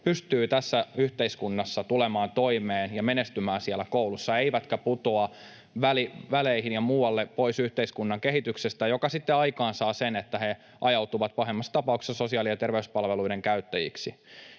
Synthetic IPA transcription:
pyst̪yːt̪æsːæyht̪e̞iskunːɑsːɑt̪ulemɑːnt̪o̞imeːnjɑmenest̪ymæːnsiælːækoulusːɑe̞iʋæt̪kæput̪oɑ | ʋæliʋæleihinjɑmuːɑlːepo̞isyht̪e̞iskunːɑŋkeɦit̪yksest̪æjokɑsit̪ːeɑikɑːnsɑːsenet̪ːæhe | ʔɑjɑwt̪uʋɑt̪̚pɑɦemːɑst̪ɑpɑuksesso̞siɑːˑlijɑt̪erʋeyspɑlʋeluideŋkæyt̪ːæjḭksi

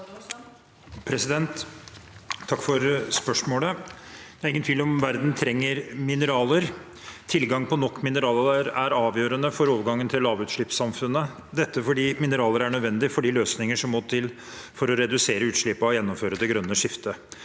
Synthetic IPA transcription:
pʰɾɛsɪd̪ɛnt̪ | ɑkːfɔɾspœʂmoːləd̪ɛæɾɪŋənt̪ʋiːlɔmʋæɾd̪nt̪ʰɾɛŋːəɾmɪnəɾɑːləɾ | t̪ʰɪlɡɑŋpʰɔnɔkːmɪnəɾɑːləɾæɾɑːʋjøːɾənəfɔɾoːʋɡɑŋːənt̪ʰɪlːɑːʋʉːt̪ʂɭɪpsɑmfʉnːə | d̪ɛt̪ːəfɔɖiːmɪnəɾɑːləɾæɳœd̪ʋɛnd̪ɪfɔɖiːløːsnɪŋəʂɔmːot̪ʰɪl | fɔɾɔɾɛd̪ʉseːɾəʉːt̪ʂɭɪpːɑɔjɛnːɔmføːɾəd̪ɛɡɾœnːəʂɪft̪ə

